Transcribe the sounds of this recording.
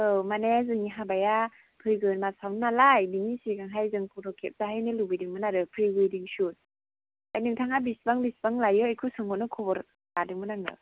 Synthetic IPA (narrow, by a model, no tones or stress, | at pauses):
ɯwmanezɯŋiɦabaja | pʰɯjɡɯnmasawnnalajbinisiɡaŋɦajzɯŋpʰuɾʰɔkʰep̚zaɦajnɯlubɯjdiŋmɯnaɾɯpʰɾiɡɯjdiŋsut̚ | ajnɯŋtʰaŋabisbaŋbisbaŋlajɯajkʰɯsɯŋbɔnɯkʰɔbɔɾ | adɯŋmɯnaŋnɯ̰